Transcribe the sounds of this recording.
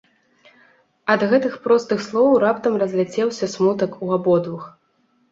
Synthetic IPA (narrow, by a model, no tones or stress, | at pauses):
ɐd̪ɣɛt̪ɨxpɾɔst̪ɨxslˠɔwɾapt̪ɐmrɐzʲlʲɛt͡sʲɛwsʲɐsmut̪ɐkuabɔd̪vɨx